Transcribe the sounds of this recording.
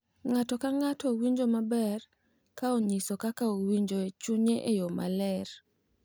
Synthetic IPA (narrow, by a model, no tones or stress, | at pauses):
ŋatɔkaŋatɔwiɲd͡ʒomabɛr | kaoɲisɔkakaowiɲd͡ʒoet͡ʃuɲeʔejoma̰lɛr